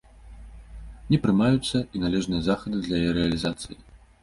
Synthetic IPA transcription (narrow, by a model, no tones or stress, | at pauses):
nʲɛpɾɨmajut̪sːɐinalʲɛʐnɨjɐzaxɐd̪ɨd̪lʲɐjɛɾɛɐlʲizat̪sɨji